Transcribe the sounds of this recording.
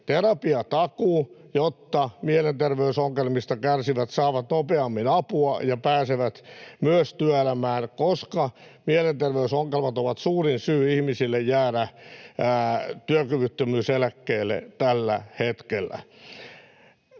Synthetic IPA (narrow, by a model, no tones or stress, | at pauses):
t̪erɑpiɑt̪ɑkuːjot̪ːɑmielent̪erʋeysoŋːelmist̪ɑkærsiʋæt̪sɑːʋɑt̪nopeɑmːinɑpuɑjɑpæːseʋæt̪myøst̪yøelæmæːnkoskɑmielent̪erʋeysoŋːelmɑt̪oʋɑt̪suːrinsyːihmisilːejjæːɾææt̪yøkyʋyt̪ːømyːselækːeːlːḛt̪ælːæ̰het̪kelːæ̰